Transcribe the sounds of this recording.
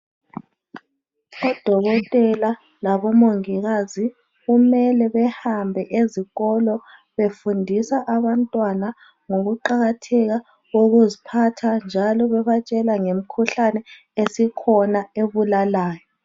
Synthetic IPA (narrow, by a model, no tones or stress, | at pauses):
ɔd̥ʱɔɣɔtʼɛla | laβɔmoŋiɣazi | ɣumɛlɛβɛhambʱɛʔeziɣɔlɔ | βefundʱisaʔaβantʼwana | ŋoɣuǃaɣatʰɛɣa | ɣoɣuzipʰatʰand͡ʒʱalɔβɛβat͡ʃʼɛlaŋem̩kʰuɬanɛ | esikʰɔnaeβulalaːjɔ